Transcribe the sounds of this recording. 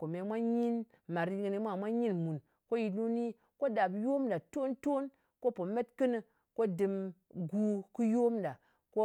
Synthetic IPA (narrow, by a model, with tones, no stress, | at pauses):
ko˨me˨mʷa˦ɲi˦n | ma˨ɾi˦ɡi˨ni˧˦mʷa˦˨mʷa˦ɲi˦nmu˨n | ko˦ji˨nu˦ni˦ | ko˦da˨bjo˦mda˨to˦nto˦n | ko˦po˨me˦tkɨ˦nɨ˨ | ko˦dɨ˧mɡu˦kɨ˦jo˦mda˨ | ko˦